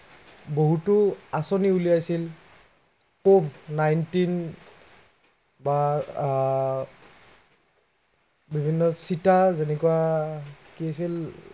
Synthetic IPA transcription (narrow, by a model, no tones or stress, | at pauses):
boɦutuasɔniulijajsil | komnajntin | ba | bibʱinːɔsitazenɛkuwa | kiasil